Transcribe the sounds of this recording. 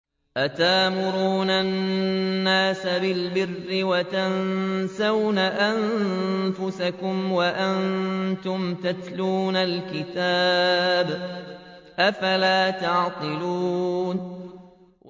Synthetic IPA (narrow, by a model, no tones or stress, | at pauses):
ʔat̪aːmʊɾuːnanː | aːsabɪlbɪrːɪwat̪ansawnaʔanfʊsakʊmwaʔant̪ʊmt̪at̪luːnalkɪt̪aːb | ʔafalaːt̪ɑʕt̪ˤɨluːn